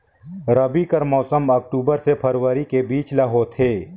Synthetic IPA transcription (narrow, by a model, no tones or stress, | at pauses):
ɾɐbikɐɾmɔːsəmɐk̚ʈuːbəɾsepʰɐɾwəɾikebiːt͡ʃlɐɦot̪ʰeː